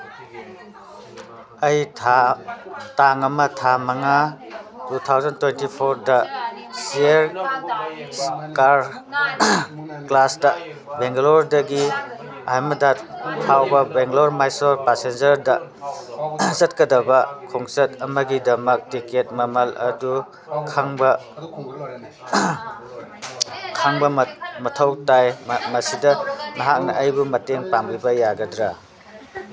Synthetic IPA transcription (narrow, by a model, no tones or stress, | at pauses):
ɐjʰ | taŋɐmɐtʰamɐŋatutʰawzɐntwentipʰoɾdɐsieɾ | kaɾ | klastɐ | beŋɡlɔɾdɐɡi | ajmɐdatʰawbɐbeŋɡloɾmajsɔɾpasend͡ʒɐɾdɐ | zɐt̚kɐdɐbɐkʰoŋsɐtɐmɐɡidɐmɐk̚tiket̚mɐmɐlɐ̰du | kʰaŋbɐ | kʰaŋbɐmmɐtʰɐwtajmɐsidɐnɐɦak̚nɐʔɐjbumɐteŋpambibɐjaɡɐdɾa